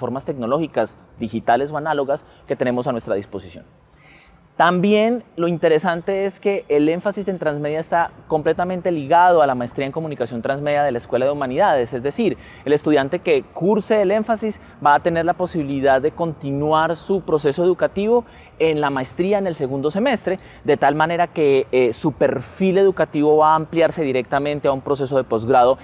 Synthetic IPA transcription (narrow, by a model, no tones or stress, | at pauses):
fo̞ɾmast̪e̞kno̞lo̞xikas | d̪ixit̪ale̞soanalo̞ɣas | ke̞t̪e̞ne̞mo̞sanwe̞st̪ɾaðispo̞si̥sjo̞̰n | t̪ambje̞nlo̞int̪e̞ɾe̞sant̪e̞eske̞ʔːle̞ɱfasise̞nt̪ɾanzme̞ðjaest̪ako̞mple̞t̪amẽ̞nt̪e̞liɣað̞oalamaest̪ɾiaeŋko̞munikasjo̞nt̪ɾanzme̞ðjaðe̞laeskwe̞laðe̞umaniðaðese̞zd̪e̞siɾ | ele̞st̪uðjant̪e̞ke̞kuɾseele̞ɱfasis | baːt̪e̞ne̞ɾlapo̞siβiliðaðːe̞ko̞nt̪inwaɾsupɾo̞se̞so̞e̞ðukat̪iβo̞ | enlamaest̪ɾiaene̞lse̞ɣund̪o̞se̞me̞st̪ɾe̞ | d̪e̞t̪almane̞ɾake̞supe̞ɾfile̞ðukat̪iβo̞βaːmpljaɾse̞ðiɾe̞k̚t̪amẽ̞nt̪e̞aumpɾo̞s̬e̞s̬o̞ðe̞po̞zɡɾaðo̞